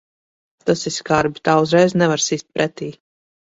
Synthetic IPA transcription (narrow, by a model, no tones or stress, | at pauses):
t̪asiskaɾbʲit̪aːuzɾɛjznɛvaɾsiːst̪̚pɾʔɛt̪iː